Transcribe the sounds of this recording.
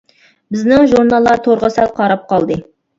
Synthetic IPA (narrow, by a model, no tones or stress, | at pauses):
bɪznɪŋʒuɾnɑlˠːɑɾt̪ʰoɾʁəsælqʰɑɾɑp̚qɑlˠd̪ɨ